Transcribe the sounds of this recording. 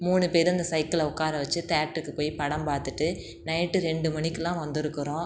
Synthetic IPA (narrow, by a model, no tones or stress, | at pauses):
muːnɯpeːɾɐnd̪ɐsɐɪkːɐlɐʊkːaːɾɐʋɐt͡ʃːɯt̪aːʈːɯkːɯpoːjpɐɽɐmpaːt̪ɯʈːɯ | nɐɪʈːɯɾɛɳɖɯmɐɳɪkːɯlãːʋɐnd̪ɪɾɯkːɯɾõː